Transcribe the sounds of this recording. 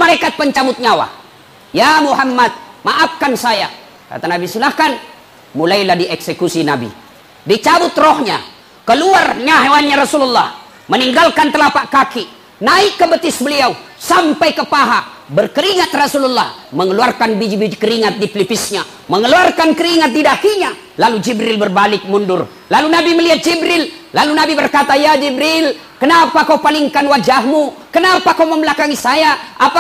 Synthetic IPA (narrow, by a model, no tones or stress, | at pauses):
məɾekat̪̚pəɲt͡ʃabʊt̪̚ɲawa̰ | jamuɦamːat̪̚maʔap̚kansaja | ka̰t̪anabisilahkan | mulailahdiɛksəkusinabḭ | dit͡ʃabʊt̪rɔhɲa̰ | kəluarɲaɦewanɲaɾasululːɑh | məniŋɡalkant̪əlapaʔkaki | naɪkːəbət̪ɪsbəliausampajkəpaɦa | bərkəɾiŋat̪̚rasululːahməŋəluarkanbid͡ʒibid͡ʒkəɾiŋat̪̚diplipɪsɲa | məŋəluarkankəɾiŋat̪̚didakiɲa | lalud͡ʒibɾɪlbərbalɪk̚mundʊr | lalunabiməliat̪̚d͡ʒibɾɪlːalunabibərkat̪ajad͡ʒibɾil | kənapakauwpaliŋkanwad͡ʒaɦmukənapakawməməlakaŋisajaapa